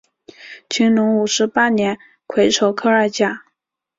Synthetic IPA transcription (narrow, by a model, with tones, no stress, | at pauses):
t͡ɕʰy˧˥ŋnʊ˧˥ŋu˨˩ʂɻ̩˧˥pa˥njɛ˧˥n | kʰwe˧˥ɪʈ͡ʂʰo˧˩ʊkʰɤ˥ə˞˥˧t͡ɕja˥˩